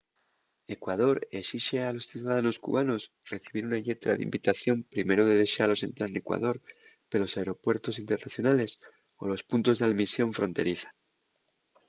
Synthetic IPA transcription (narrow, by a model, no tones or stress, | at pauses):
e̞kwað̞o̞ɾe̞siʃealo̞sθjuðaðano̞skṵβano̞s | r̥e̞θiβiɾunaʎe̞t̪ɾa̰ðḭmbit̪aθjo̞mpɾime̞ɾoðe̞ðe̞ʃalo̞se̞nt̪ɾalne̞kwa̰ðo̞ɾ | pelo̞saeɾo̞pwe̞ɾt̪o̞sint̪e̞ɾnaθjo̞nale̞s | o̰lo̞spunt̪o̞zðalmisjo̞ɱfɾõ̞nt̪e̞ɾiθḁ